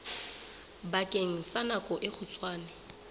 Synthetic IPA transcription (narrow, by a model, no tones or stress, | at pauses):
bakʼeŋ̩sanakʼɔʔɪk͡xʰʊt͡sʼwaːnɪ